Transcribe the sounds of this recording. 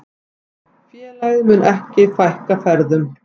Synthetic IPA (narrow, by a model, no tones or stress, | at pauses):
fjɛːlaːjðɪmʏnʔɛhcɪfajhkafɛɾðʏm